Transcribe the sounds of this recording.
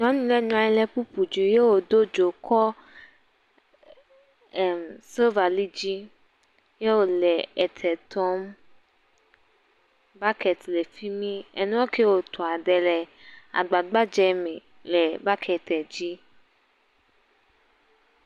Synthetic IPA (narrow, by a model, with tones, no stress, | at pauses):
ɲɔ̃˨˦nĩ˨˦lɛ˦ɲɔ̃˨ã˨jɛ˦lɛ˦pu˦pu˨d͡ʒu˨je˦wo˨d̪o˦d͡ʒo˨kʰɔ˦ | ɛ˨mse˦va˨li˦d͡ʑi˦ | je˦wo˨lɛ˨ɛ˨t̪ʰɛ˨t̪ʰɔ˦m | ba˦kɛ˨t̪lɛ˨fi˦mĩ˦ḛ˨nũ˦o˦ke˦wo˨t̪ʰɔ˨a˨ɖɛ˨lɛ˨a̰˨ɡ͡ba˨ɡ͡ba˦d͡ʒɛ˨mɛ̃˨ | lɛ˨ba˦kʰɛ˨t̪ɛ˨d͡ʑi˦